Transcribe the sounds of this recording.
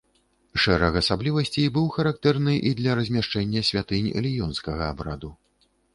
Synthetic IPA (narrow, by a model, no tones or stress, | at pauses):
ʂɛɾɐxɐsablʲivɐsʲt͡sʲejbɨwxɐɾakt̪ɛrnɨʔid̪lʲɐɾɐzʲmʲaʂt͡ʂɛnʲːɐsʲvʲat̪ɨnʲɐ̰lʲijɔnskɐɣɐabɾad̪u